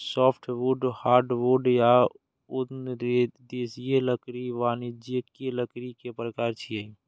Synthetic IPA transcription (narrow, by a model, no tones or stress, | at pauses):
sɔːpʰʈʰʋuɖhaːɾɖʋoɖja | ʊnɾed̪eːsijeləkɾiʋaːnɪd͡ʒəkeləkɾikepɾəkaːɾt͡ʃʰiei